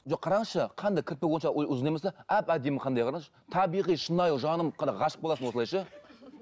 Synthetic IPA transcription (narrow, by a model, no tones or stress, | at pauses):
ʒoqʰːɑɾɑɴʃəqʰɑnd̪ɑkʲʰɪɾt̪̚pewonʃɑʊzənejmesɑæpæd̪e̞mɪqʰɑnd̪ɑjqʰɑɾɑŋʃə̥t̪ʰɑbijʁijʃənɑjʒɑnəmqʰɑnd̪ɑʁɑʃə̥q̚bolˠɑsənwoəlˠɑjʃɑ